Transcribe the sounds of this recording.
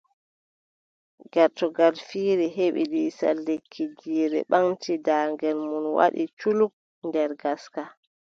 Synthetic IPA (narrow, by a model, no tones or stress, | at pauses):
ɡaɾtɔɡalfiːɾɛɦeɓḭɗisa̰lːekʰːid͡ʒiːɾɛ̰ɓaŋtʰidaːŋɡɛlmunwa̰ɗḭt͡ʃuluk̚ | ndɛɾɡaska